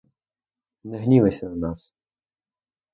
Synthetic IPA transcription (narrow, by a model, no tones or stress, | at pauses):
nɛɦnʲiʋesʲɐnɐnɑs